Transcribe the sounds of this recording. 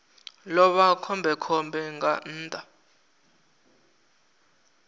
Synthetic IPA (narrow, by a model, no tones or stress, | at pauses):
lɔɓakʰɔmbʱɛkʰɔmbʱɛŋɡan̩ːtʼa